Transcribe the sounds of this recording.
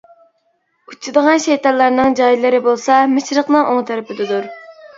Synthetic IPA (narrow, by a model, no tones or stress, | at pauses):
ut͡ʃʰːɨd̪əʁɑnʃejt̪ɑlːˠɑɾnɨŋd͡ʒɑjlˠɨɾɪbolˠsɑmɪʃɾəqnɨŋʔoŋt̪ʰɛɾɪpɪd̪ɨd̪uɾ